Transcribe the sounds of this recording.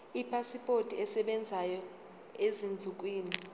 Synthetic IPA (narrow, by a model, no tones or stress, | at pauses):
ipʰasipʰʼotʰʼiɛsɛɓɛnd͡zʱajɔ | ezind͡zʱuk̬ʼwiːni